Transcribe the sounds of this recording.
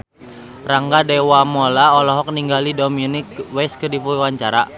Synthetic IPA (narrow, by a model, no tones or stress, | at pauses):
raŋɡadewamɔlaɔlɔɦɔk̚niŋɡalidominikwɛskədipuwaɲt͡ʃaɾa